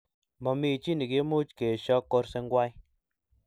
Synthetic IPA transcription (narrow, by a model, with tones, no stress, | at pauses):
mɔ˨mi˨t͡ʃi˦ni˨ke˦mu˦t͡ʃke˨ʃɔ˦kːo˧˦ɾse˧ŋɡwa˦j